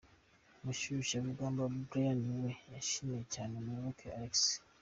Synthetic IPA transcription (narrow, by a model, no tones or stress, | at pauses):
muʃuʃaβuɡaːmbaβubɾejaniwejaʃinecaːnemuβokʰealeks